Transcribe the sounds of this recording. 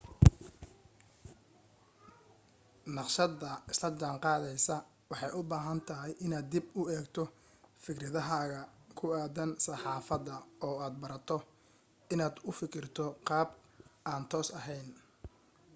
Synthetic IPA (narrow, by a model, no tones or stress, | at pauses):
nɑqʃɐðɐɪslɐd͡ʒaːŋqɑːðɛjsɐ | wɑħɑjʊbaːɦɐnt̪ʰɐɦɪjʔɪnaːd̪ːibʊɛːɡt̪ʰɔ | fɪkrɐðɐɦaːɣɐkʰʊaːðɐnsɐħɑːfɐðɐɔːaːd̪̚bɐɾɐt̪ʰɔ | ɪnaːd̪ʊfɪkʰɪrt̪ʰɔqɑːbʔaːnt̪ʰɔːsɐɦɛjn